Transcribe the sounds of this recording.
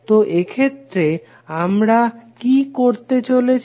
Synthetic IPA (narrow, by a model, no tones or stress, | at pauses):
t̪oʔekʰet̪ːɾe | amɾakikoɾt̪et͡ɕolet͡ɕʰ